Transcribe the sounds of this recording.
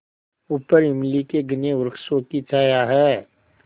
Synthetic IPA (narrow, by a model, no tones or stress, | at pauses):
upəɾɪmlikeɡɪneʊɾkʰʃõkit͡ʃaːjaɦɛː